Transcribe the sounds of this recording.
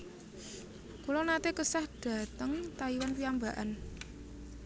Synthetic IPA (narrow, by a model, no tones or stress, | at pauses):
kulɔnat̪ekəsahɖ̥ä̤t̪əŋt̪aiwanpiambaʔa̰n